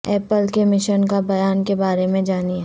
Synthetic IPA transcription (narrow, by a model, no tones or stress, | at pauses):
ɛːpəlkemɪʃənkabɐjaːnkebaːɾemẽd͡ʒaːniɦɛ